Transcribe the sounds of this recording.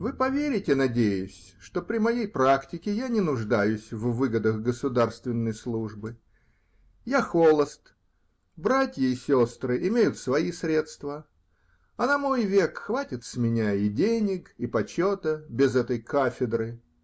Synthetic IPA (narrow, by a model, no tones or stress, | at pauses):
vɨpɐvʲeɾʲɪtʲɪnɐdʲejʊsʲʂt̪o̞pɾʲɪmɐjejpɾaktʲɪkʲɪjanʲɪnʊʐd̪ajʊsʲvːɨɡəd̪əxɡəsʊd̪arst̪vʲɪnːəjslˠuʐbɨ | jaxo̞lˠəst̪ | bɾatʲjəɪsʲo̞st̪ɾɨʔɪmʲejʊt̪svɐisɾʲe̞t̪st̪və | ɐnɐmo̞jvʲe̞kxvatʲɪt̪sʲmʲɪnʲaɪdʲenʲɪkɪpɐt͡ɕo̞t̪əbʲɪzɛt̪əjkafʲɪd̪ɾɨ